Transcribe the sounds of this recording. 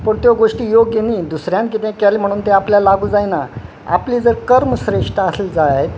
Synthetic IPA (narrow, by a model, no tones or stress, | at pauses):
pəɳt̪joɡoʂʈiːjoɡjeniːd̪usɾjãnk̬it̪ẽkalim̤əɽ̃uːnt̪eapljalaɡuːd͡zajna | a̰pliːd͡zəɾkəɾməsɾeʂʈaəseld͡zajet̪